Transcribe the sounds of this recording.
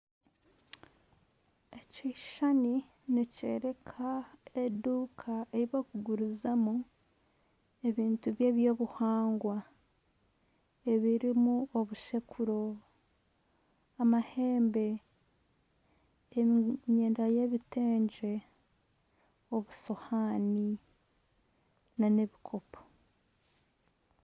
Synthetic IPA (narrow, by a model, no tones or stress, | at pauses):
eciʃani | necḛːɾe̞kʰaeduːkʰae̞ɾiβakuɡuɾuzamu | eβiːntuβje̞ːβjo̞ːβuhaːŋɡwa | e̞βiɾimuoβuʃekʰuɾo̞ | amahe̞ːmbe̞ | ɲe̞ːndaje̞βite̞ːɲɟe̞ | o̞βuso̞haːni | nane̞βikʰo̞pʰo̥